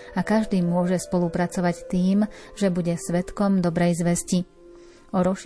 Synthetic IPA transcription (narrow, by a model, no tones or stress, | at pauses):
akaʒd̪iːmʊɔʒɛspɔlupɾat͡sɔʋact̪iːmʒɛbuɟɛsʋɛt̪kɔmd̪ɔbɾɛjzʋɛsci | ɔɾɔʃ